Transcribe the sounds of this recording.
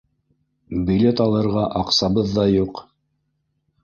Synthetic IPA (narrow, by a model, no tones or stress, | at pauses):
bʲilʲet̪ɑlˠɤ̆ɾʁɑʔɑqsɑbɤðːɑjuq